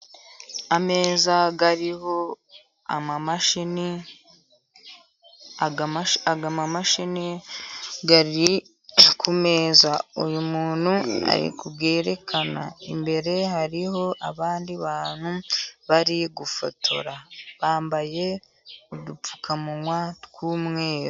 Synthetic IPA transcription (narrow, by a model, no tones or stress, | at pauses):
ame̞ːzaɡaɾiho̞ | a̰mamaʃini | aɡamamaʃini | ɡaɾi | kʰume̞ːzaujumuːn̥hua̰ɾḭkubɡe̞ːɾe̞kʰana̰imbe̞ɾe̞ɦaɾiɦo̞ʔaβaːndiβaːn̥huβaɾiɡufo̰tʰo̰ɾaβaːmbaje̞ | udup͡fu̥kʰamuwatkumŋe̞ːɾo